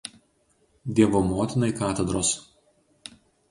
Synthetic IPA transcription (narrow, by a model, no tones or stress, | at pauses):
d̪ʲiɛʋomoːt̪ʲɪnɐɪkɑːt̪ʲɛd̪ɾoːs